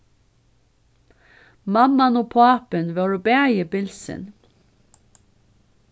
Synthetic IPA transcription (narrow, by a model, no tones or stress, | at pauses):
mɑmɑnoːpʰɑːpənʋɑːɹobæːjəbɪlsə̰n